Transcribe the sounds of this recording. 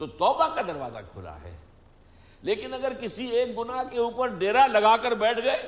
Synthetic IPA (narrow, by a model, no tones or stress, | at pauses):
t̪ot̪ɔːbakad̪ɐɾʋa̰ːza̰kʰʊ̰la̰ɦɛ̰ː | leːkɪnɐɡəɾkɪsieːk̚bʊnakeuːpəɾɖeːɾalɐɡaːkəɾbɛːʈʰɡɐeː